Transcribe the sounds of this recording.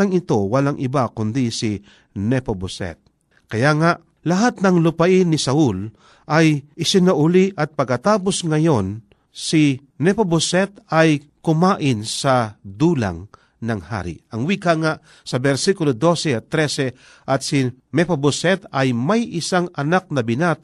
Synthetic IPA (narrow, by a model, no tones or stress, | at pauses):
aŋɪt̪owɐlaŋʔɪbakʊnd̪isi | nɛpobʊsɛ̰t̪̚ | kɐjaŋaʔ | lɐɦat̪̚nɐŋlʊpaʔɪnɪsɐʊl | ʔajɪsɪnaʔʊliʔɐt̪̚pɐɡ̚kːɐt̪aːposŋɐjo̞n | si | nɛpobosɛt̪aj | kʊmaːʔɪnsɐd̪uːla̰ŋ | nɐŋha̰ɾḭɐŋwikaŋaʔ | sɐbɛɾsikʊlod̪o̞sɛat̪ːɾɛsɛ | ʔɐt̪sinɛpobʊsɛt̪ɐjmajʔɪsaŋɐnak̚nɐbɪnat̪̚